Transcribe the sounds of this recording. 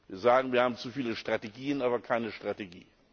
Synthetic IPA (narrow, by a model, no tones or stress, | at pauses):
viːɐzaːɡŋ̩viːɐhaːbm̩t͡sufiːləʃtʁ̥ateɡiːənʔaːbɐkʰaɪnəʃtʁ̥ateɡḭː